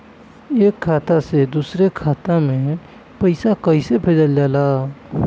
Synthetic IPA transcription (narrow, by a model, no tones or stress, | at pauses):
eːkʰːaːt̪ased̪uːsɾekʰaːt̪amẽ | pəɪsakəɪsepʰeːd͡ʒəld͡ʒaːlaː